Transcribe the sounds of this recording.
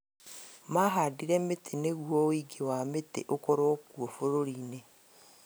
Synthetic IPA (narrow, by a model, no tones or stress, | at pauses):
maɦadiɾɛmetʰeneɣuɔwiɡewametḛʔokɔɾɔkuofoɾoɾiːne